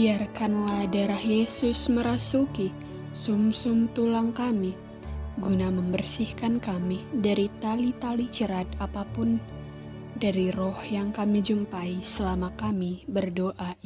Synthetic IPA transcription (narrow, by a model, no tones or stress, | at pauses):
biarkanlahdaɾahjesusməɾasuki | sʊmsʊmt̪ulaŋkami | ɡunaməmbərsihkankamidaɾit̪alit̪alit͡ʃəɾat̪̚apapʊn | daɾirɔhjaŋkamid͡ʒumpaisəlamakamibərdoʔa